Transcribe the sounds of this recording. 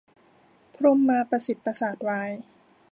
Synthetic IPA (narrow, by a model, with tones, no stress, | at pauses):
pʰɾu˧mːaː˧pɾa˧si˨˩t̪̚pːa˧saː˨˩t̪̚waː˧j